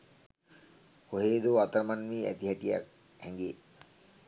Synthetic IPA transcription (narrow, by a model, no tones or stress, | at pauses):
koɦeːd̪oat̪ɾmanmiːæ̰t̪iɦaʈija̰k̚ | hɛŋɡeː